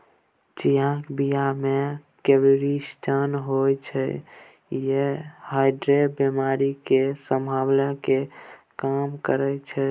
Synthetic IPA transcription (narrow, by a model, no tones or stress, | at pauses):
t͡ʃiãkbijamekebiɾisʈʰənɦojt͡ʃʰɛ̰ | jehajɖɾebemaɾikesəmbʱawlake | kamkəɾət͡ʃʰɛ